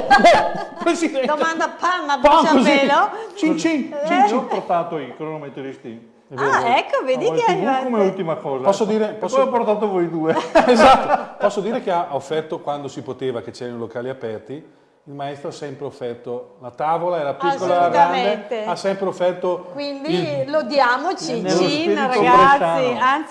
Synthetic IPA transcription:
pɾesid̪ɛnd̪ot̪mand̪apamːabakozielot͡ʃit͡ʃit͡ʃit͡ʃipoɾt̪aːt̪oikɾonoment̪ːed̪ist̪i | eveaɛkːoved̪iiaukomeult̪imakɔːzapɔsːod̪iːɾepɔsopːort̪aːt̪̬ovojd̪ueezat̪ːopɔsːod̪iːɾekeaaofːɛrt̪okwand̪osipot̪eːvaket͡ʃɛːɾanolokaːliapɛrt̪i | ilmaɛst̪ɾoasɛmpɾeofːɛrt̪olat̪aːvolaɛːɾapikːolaɾaɡɾaamnd̪ent̪easːɛmpɾeofːɛrt̪okwind̪iilod̪jaːmot͡ʃinelːosiniɾaoɡaeasians

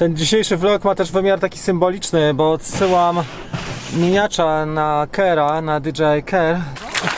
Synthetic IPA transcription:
t̪ɛnd͡ʑiɕejʂɘvlɔkmat̪ɛʐvɘmʲjaɾt̪akʲi̥sɘmbɔlʲit͡ʂnɘbɔːt̪sɘwam | mʲeɲat͡ʂanakɛɾanad̪ʲid͡ʐɛjkɛɾ

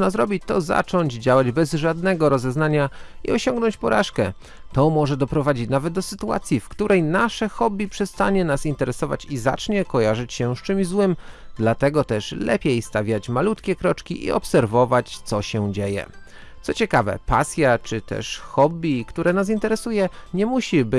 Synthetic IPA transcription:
nazɾɔbʲit͡ɕt̪ɔza̰t͡ʂɔɲd͡ʑd͡ʑawad͡ʑbɛzʐad̪nɛɡɔɾɔzɛznaɲaḭɔɕɔŋɡnɔɲt͡ɕpɔɾa̰ʂkɛ | t̪ɔmɔʐɛd̪ɔpɾɔvad͡ʑit͡ɕnavɛd̪̚d̪ɔsɘt̪ua̰t̪sʲjifkt̪uɾʔɛjnaʂɛxɔbʲipʂɛst̪aɲɛnasint̪ɛɾɛsɔva̰t͡ɕiza̰t͡ʂɲɛkɔjaʐɘt͡ɕɕɛst͡ʂɘmʑzwɘmd̪lat̪ɛɡɔt̪ɛʂlɛ̰pʲjejst̪avʲjat͡ɕmalut̪kʲɛkɾɔt͡ʂkʲiʔḭɔ̰psɛɾvɔvat͡ɕt̪sɔɕɛd͡ʑejɛ̰ | t̪sɔt͡ɕɛkavɛ̰pa̰sʲjat͡ʂɘt̪ɛ̰ʂxɔbʲikt̪uɾɛnas̬int̪ɛɾɛsujɛɲɛmuɕibɘ

